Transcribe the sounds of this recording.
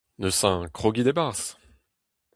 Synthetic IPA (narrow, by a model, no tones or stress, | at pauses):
nəsɛ̃kχɔɡʲid̪ebaʁs